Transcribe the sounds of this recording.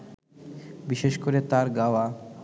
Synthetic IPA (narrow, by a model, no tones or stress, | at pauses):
biʃeʃkoɾet̪aɾɡaa